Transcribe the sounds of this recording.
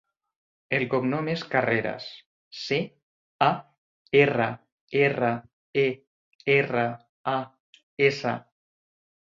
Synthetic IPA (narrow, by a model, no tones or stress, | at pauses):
elkoknomeskareɾa̰s | se | a | era | era | e | era | a | esa̰